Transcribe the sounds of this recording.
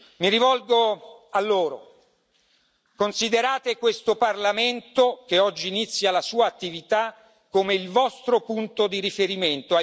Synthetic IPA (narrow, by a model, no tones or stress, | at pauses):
miɾivɔlɡoalːoːɾo̰ | konsid̪eɾaːt̪ekwest̪oparlament̪okeɔd͡ʒːiːnit̪sːjalasuːaːt̪ːivit̪a | kːomeilvɔst̪ɾopunt̪od̪iɾifeɾiment̪oa